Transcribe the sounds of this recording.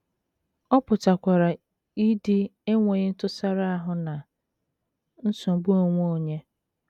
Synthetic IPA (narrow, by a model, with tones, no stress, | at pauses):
ɔ˦pʊ˨ta˨kʷa˨ɾa˨ | i˦dɪ˦e˦ŋʷe˨ɲɪ˦n̩˦tʊ˦sa˦ɾa˦a˦ɦʊ˦na˨ | n̩˦sʊ˨bu˦o˨ŋʷ˦o˨ɲe˦